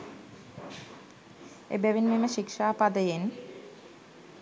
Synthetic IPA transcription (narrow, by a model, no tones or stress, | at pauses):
ḛbæʋinmeməʃikʃaːpad̪əjen